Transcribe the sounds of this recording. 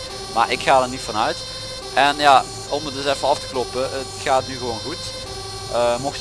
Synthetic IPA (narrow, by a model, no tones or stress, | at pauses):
ma̰ːɹɪkxaːdəɹnitfɑnœɥt | ʔɛnja | ɔmət̚dɵsɛfəɑftə̥klɔpəətxaːtnyɣəʋoːnɣut | ʔəmɔxt